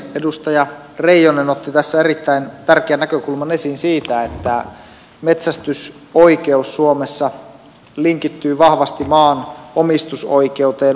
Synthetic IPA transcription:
edust̪ɑjɑ | reijonenot̪ːit̪æsːæerit̪ːæint̪ærkeænːækøkulmɑnesinsiːt̪æet̪ːæ | met̪sæst̪ys | oikeusːuomesːɑ | liŋkit̪ːyːʋɑhʋɑst̪imɑːnomist̪usoikeut̪eːn

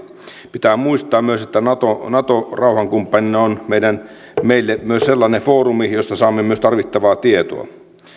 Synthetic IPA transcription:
pit̪æːmuist̪ˑɑːmmyøset̪ːænɑt̪onɑt̪orɑuhɑŋkumpːɑninːɑonmeidæn | meilːemyøsselːɑːnefoːrumijost̪ɑsɑːmːemyøst̪ɑrʋit̪ːɑʋɑːt̪iet̪o̰ɑ̰

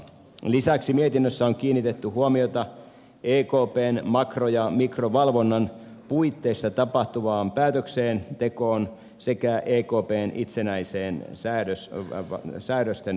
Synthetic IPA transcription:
lisæksimiet̪inːøsːæoŋkiːnːit̪et̪ːyhuomiot̪ɑ | ʔeːkoːpeːnmɑkrojɑmikroʋɑlʋonːɑn | puit̪ːeist̪ɑt̪ɑpɑht̪uʋɑːmpæːt̪økseːnt̪ekoːn | sekæʔeːkoːpeːnʔit̪senæiseːnsæːɾøs | sæːɾøst̪en

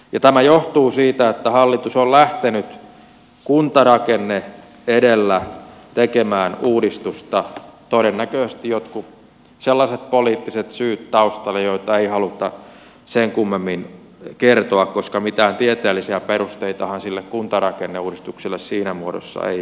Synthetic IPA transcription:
jɑt̪æmæjoht̪uːsiːt̪æet̪ːæhɑlːit̪usollæht̪enyt̪ | kunt̪ɑrɑkenːe | edelːæt̪ekemæːnuːdist̪ust̪ɑt̪oɾenːækøːˑest̪ijot̪ku | selːɑset̪̚poliːt̪ːiset̪syːt̪t̪ɑust̪ɑlːejoit̪ɑeihɑlut̪ɑ | seŋkumːemːin | kert̪oɑkkoskɑmit̪æːnt̪iet̪eːlːisiæperust̪eit̪ɑhɑnsilːekkunt̪ɑrɑkenːeuːdist̪uksilːessiːnæmuodo̰sːɑ̰ḛi

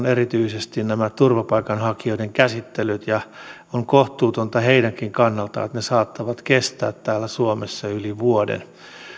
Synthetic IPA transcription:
nerit̪yisest̪innæmæt̪urʋɑpɑikɑnhɑkioideŋkæsit̪ːelyt̪jɑ | oŋkoht̪uːt̪ont̪ɑheidæŋkiŋkɑnːɑlt̪ɑ̰et̪nesɑːt̪ːɑʋɑt̪kest̪æ̰ːt̪tæːlːæsuomesːɑyliʋuodḛn

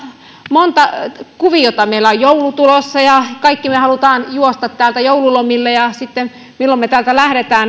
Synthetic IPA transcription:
mont̪ɑkuʋijot̪ɑmeilæojjoulut̪ulosːɑjɑkɑikːimehɑlut̪ɑːnjuost̪ɑt̪tæːlt̪æjoululomilːejɑsit̪ːen | milːommet̪æːlt̪ælæhɾet̪æːn

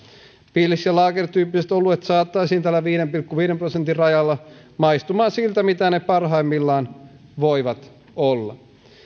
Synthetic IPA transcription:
piːlːisjɑlɑːkert̪yːpːisest̪olːuet̪sɑːt̪ːɑisiːnt̪ælːæʋiːdempilkːuʋiːɾemprosent̪ːirrɑjɑlːɑ | mɑist̪umɑːnsilt̪æmit̪ænepɑrɦɑimːilːɑːn | ʋoiʋɑt̪ | olːɑ̰

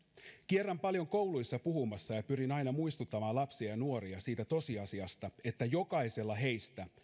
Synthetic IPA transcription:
kierːæmpɑljo̞ŋko̞wlujsːɑpuhumɑsːɑjɑpyɾinɑjnɑmuist̪ut̪ːɑmɑːnlɑpsiɑjɑnuo̞ɾiɑsiːt̪æt̪o̞siɑsiɑst̪ɑe̞t̪ːæjo̞kɑise̞lːɑɦe̞jst̪æ

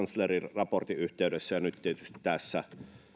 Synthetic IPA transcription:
nslerirɑport̪iyht̪eˑydesːæjɑnyt̪t̪iet̪yst̪i̥t̪t̪æsːæ

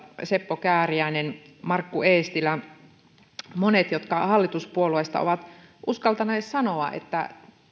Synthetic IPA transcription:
sepːokæːriæinen | mɑrkːueːst̪ilæ | monet̪jot̪kɑhɑlːit̪uspuoluest̪ɑ̰o̰ʋɑt̪ʔuskɑlt̪ɑneːssɑnoɑ̰ʔḛt̪ːæ̰

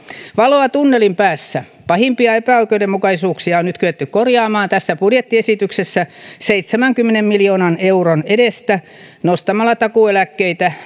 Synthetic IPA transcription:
ʋɑloɑt̪unːelimpæːsːæ | pɑhimpiɑepæoikeudemmukɑisuːksiɑonnyt̪kyet̪ːykkorjɑːmɑːnt̪æsːæpudjet̪ːiesit̪yksesːæseit̪semæŋkymːenemmiljoːnɑneuronedest̪æ | nost̪ɑmɑlːɑt̪ɑkuelækːeit̪æ

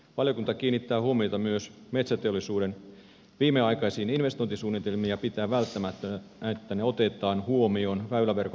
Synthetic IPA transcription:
ʋɑljo̞kunt̪ɑkiːnːit̪ːæːhuomiojt̪ɑmyøsme̞t̪sæt̪eo̞lːisuːde̞n | ʋiːmːeɑjkɑjsiːninʋe̞st̪o̞jnt̪isuːnːit̪e̞lmiːjɑpit̪æːʋælt̪ːæmæt̪ːøæet̪ːæneo̞t̪e̞t̪ˑɑːnhuo̞mio̞nʋæylæʋe̞rko

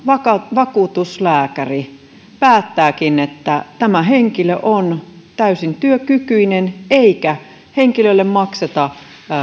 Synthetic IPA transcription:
ʋɑkɑʋɑkuːt̪uslæːkæri | pæːt̪ːæːkinet̪ːæt̪æmæɦeŋkiløʔont̪æysint̪yøkykyineneikæ | heŋkilølːemmɑkset̪ɑ

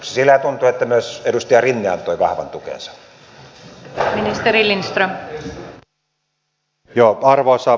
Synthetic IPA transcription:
sesilːæt̪unt̪uet̪ːæmyøsedust̪eɑrinːiɑ̰nt̪oiʋɑhʋɑ̰nt̪ukḛnsɑ̥ | minist̪eɾilinst̪rom | joːɑrʋoːsɑ

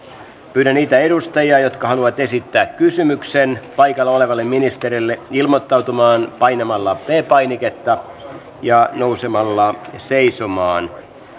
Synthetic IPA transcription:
pyːɾæniːt̪æedust̪ɑjiɑjo̞t̪kɑɦɑluʋɑt̪e̞sit̪ːæːkkysymyksenpɑjkɑlːɑo̞le̞ʋɑlːemminist̪eɾilːeilmot̪ːɑwt̪umɑːnpɑjnemɑlːɑpeːpɑjniket̪ːɑ | jɑnousemɑlːɑseisomɑːn

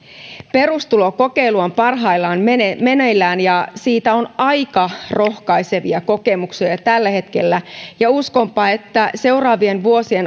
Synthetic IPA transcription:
pe̞rust̪uloko̞ke̞iluɑmpɑrɦɑilːɑːnenemeneilːæːnjɑsiːt̪æo̞nɑjkɑro̞hkɑijse̞ʋiɑko̞kemuksiɑt̪ælːæhe̞t̪kelːæjɑusko̞mpɑːe̞t̪ːæse̞urɑːʋienʋuo̞sie̞n

